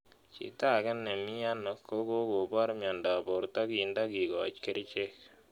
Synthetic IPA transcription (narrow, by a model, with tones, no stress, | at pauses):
t͡ʃḭ˨ta˦˨kɛ˦nːe˨mi˦a˦no˨˦kːo˦ko˦ko˨ba˦ɾmjɔ˨nda˨bo˨ɾta˦ki˨nda˦ki˨ɡɔ̰˨t͡ʃke˦ɾt͡ʃe˦k